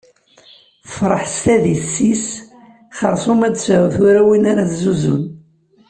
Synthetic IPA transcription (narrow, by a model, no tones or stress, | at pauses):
θə̥fɾˤəħst̪æðiθsːis | χəɾˤsˤumæd̪sʕuθʊɾæwinaɾaszuzṵn